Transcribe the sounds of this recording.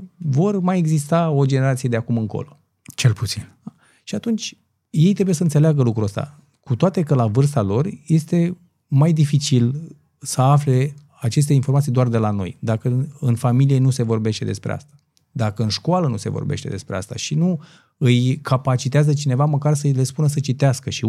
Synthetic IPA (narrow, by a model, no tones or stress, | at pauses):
vo̞rmaje̞ɡzist̪ao̞d͡ʒe̞ne̞ɾat̪sije̞d̪eakumɨŋko̞̰lo̞ | t͡ʃelput̪sin | ʃiat̪unt͡ʃʲ | je̞jt̪ɾe̞bujes̬əɨnseleaɡəlukɾuəst̪a̰ | kut̪oat̪e̞kəlavɨrs̬t̪alo̞rje̞st̪e̞ | majd̪ifit͡ʃil | səafle̞ | at͡ʃe̞s̬t̪e̞informat̪sijd̪oard̪e̞lano̞̰jd̪akəɨnfamilije̞nuse̞vo̞rbe̞ʃt̪e̞d̪e̞spɾḛa̰st̪ḁ | d̪akəɨnʃkoalənuse̞̰vo̞̰rbe̞̰ʃt̪e̞d̪e̞spɾeast̪a̰ʃinu | ɨjkʰapat͡ʃit̪eazət͡ʃine̞vaməkarsəle̞spunəs̬ət͡ʃit̪easkəʃi